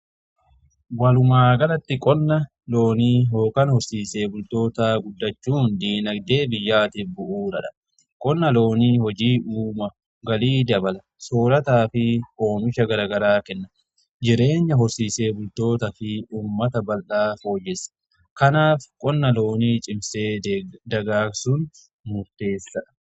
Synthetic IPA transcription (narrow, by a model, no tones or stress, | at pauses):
wɐlʊmaːɡɐlɐt̪ːɪkʼɔnːɐ | lo̞ːniːɦo̞ːkɐnhɔɾsiːse̞ːbʊlt̪o̞ːt̪aːɡʊd̪ːɐt͡ʃːuːnd̪iːnɐd̪e̞ːbɪjːaːt̪ɪfbʊʔuːɾɐᶑɐ̥ | kʼɔnːɐlo̞ːniːhɔd͡ʒiːʔuːmɐ | ɡɐliːd̪ɐbɐlɐ | so̞ːlɐt̪aːfɪʔo̞ːmɪʃɐɡɐɾaːɡɐɾaːkɛnːɐ | d͡ʒɪɾe̞ːɲːɐɦɔɾsiːse̞ːbʊlt̪o̞ːt̪ɐfɪuːmːɐt̪ɐbɐlʔaːfo̞ːjːɛsɐ̥ | kɐnaːfkʼɔnːɐlo̞ːniːt͡ʃʼɪmseːd̪ɐɡaːksʊn | mʊɾt̪e̞ːsːɐ